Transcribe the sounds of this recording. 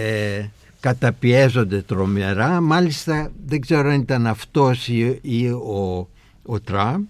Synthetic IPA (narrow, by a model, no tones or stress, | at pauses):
e | kɐt̪ɐpie̞zo̞nd̪e̞t̪ɾo̞me̞ɾɐmɐlist̪ɐðeɡzeɾoɐnit̪ɐnɐft̪o̞siio | ot̪ɾɐmp